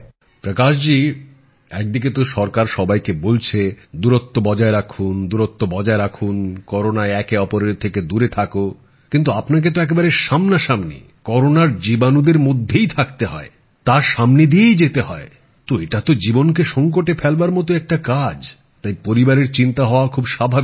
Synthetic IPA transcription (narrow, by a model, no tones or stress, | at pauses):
pɾəkaʃd͡ʑi | ɛk̚d̪ik̬et̪oʃɔɾkaɾʃɔbajkebolt͡ɕʰed̪uɾot̪ːobɔd͡ʑaeɾakʰund̪uɾot̪ːobɔd͡ʑaeɾakʰunkɔɾonaeɛkeɔpoɾeɾt̪ʰeked̪uɾet̪ʰako | kint̪̬uapnak̬et̪̬oɛk̬ebaɾeʃamnaʃamnḛ | kɔɾonaɾd͡ʑibanud̪eɾmod̪ʱːejt̪ʰak̚t̪eɦɔ̰e | t̪aʃamned̪ijejd͡ʑet̪eɦɔe | t̪oeʈat̪od͡ʑibonkeʃɔŋkoʈefʰɛlbaɾmɔt̪̬oɛk̚ʈakad͡ʑ | t̪ajpoɾibaɾeɾt͡ɕint̪aɦɔoakʰubʃabʱabi